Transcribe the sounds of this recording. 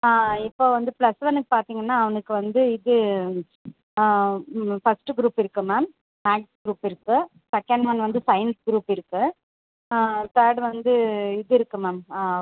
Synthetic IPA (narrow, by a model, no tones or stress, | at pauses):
aːɪpːoːʋɐnd̪ɯplɐsʋɐnɯkːɯ̥paːɾt̪iːŋɡɐnːaːɐʋɐnɯkːɯʋɐnd̪ɯɪðɯ | fɐsʈɯɡɾuːpɪɾɯkːɯmaːm | maːksɡɾuːpɪɾɯkːɯ | sɛkːɐɳɖʋɐnʋɐnd̪ɯsɐɪnɡɾuːpɪɾɯkːɯ | t̪aːɾɖʋɐnd̪ɯɪðɯɪɾɯkːɯmaːmː